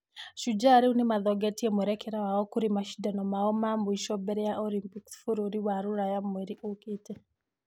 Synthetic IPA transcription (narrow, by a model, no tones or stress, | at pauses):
ʃud͡ʒaɾiunemaðɔɡɛtiemwɛɾɛkɛɾawaɔkuɾimaʃi̥danɔmaɔmambɔiʃɔbɛɾɛjaʔolimpiksfuɾoɾiwaɾuɾajamweɾiʔokite